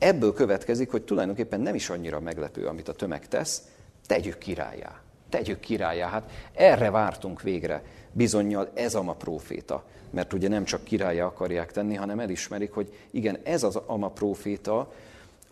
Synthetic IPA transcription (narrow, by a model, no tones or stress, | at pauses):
ɛbːøːlkø̞vɛt̪kɛzikho̞c̚t̪ulɒ̰jd̪oŋkeːpːɛnːɛmiʃɒɲːiɾɒmɛɡlɛpø̰ːɒ̰mit̪ɒt̪ø̞mɛ̰kt̪ɛ̰s | t̪ɛɟykʰːiɾa̰ːjːa̰ː | t̪ɛɟykʰːiɾa̰ːjːaːɦat̪ɛrːɛvaːrt̪uŋkʋeːɡrɛ̰bizo̞ɲːɒlɛzɒmɒproːfḛːt̪ɒ̰ | mʔɛrt̪uɟɛnɛmt͡ʃɒkːiɾaːjːaːɒkɒrjaːkt̪ɛnːiɦɒnɛmɛliʃmɛɾikho̞ɟ | iɡɛnɛzɒzɒmɒproːfeːt̪ɒ